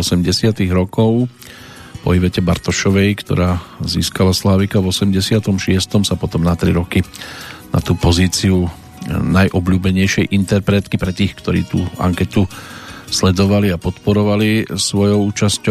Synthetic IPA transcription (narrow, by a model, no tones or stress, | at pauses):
ɔsɛmɟɛsɪat̪iɣɾɔkɔʊ | pɔ̰iʋɛcɛbaɾt̪ɔʃɔʋɛjkt̪ɔ̰ɾaːzḭːskalaslaːʋikaʋɔsɛmɟɛsɪat̪ɔmʃɪɛst̪ɔmsapɔt̪ɔmnat̪ɾiɾɔkina̰t̪uːpɔziːt͡siu | najʔɔbʎuːbɛɲɛjʃɪɛjʔint̪ɛɾpɾɛt̪kipɾɛt̪iːxkt̪ɔɾḭːt̪uːa̰ŋkɛt̪uslɛd̪ɔʋaliapɔt̪pɔɾɔʋalisʋɔjɔʊuːt͡ʃascɔ